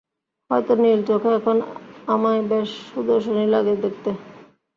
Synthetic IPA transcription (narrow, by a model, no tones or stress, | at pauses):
hɔjt̪oniɾd͡ʑokʰɛkʰonamaebeʃːud̪oɾʃonilaɡed̪ek̚t̪e